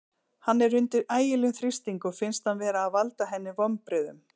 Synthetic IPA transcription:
hanːɛɾːʏnt̪ɪɾʔaːjɪlɛnθɾɪst̪iŋkɔɣfɪnst̪hanvɛːɾaːðvalt̪aɦɛnːɪvɔmpɾɪːðʏm

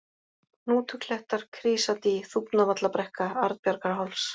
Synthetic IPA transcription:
nuːt̪ʰʏkl̥ɛht̪aɾ̥kʰɾiːsat̪iθupnavat̪lapɾɛhkaaɾð̚pjaɾkaɾɦawls

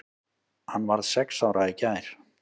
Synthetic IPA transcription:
hanːvaɾðsɛksawɾʔaicaːɾ̥

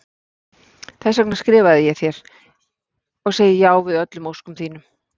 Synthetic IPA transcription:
θɛs̬œknḁskɾɪːvaðɪjɛθjɛɾ̥ | ɔɣseːjɪjaːwvɪðœt̪lʏmowskʏmθiːnʏm

